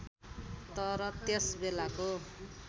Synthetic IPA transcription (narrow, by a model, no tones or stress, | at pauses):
t̪ʌɾʌt̪jesbelako